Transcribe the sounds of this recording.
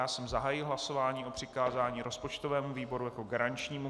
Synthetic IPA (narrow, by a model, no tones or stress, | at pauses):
aːsɛmzaɦaːjɪɦlaso̞vaːɲiːʔo̞pr̥ɪkaːzaːɲiːɾʔo̞spo̞t͡ʃt̪o̞vɛːmuviːbo̞ɾujako̞ɡaɾant͡ʃɲiːmu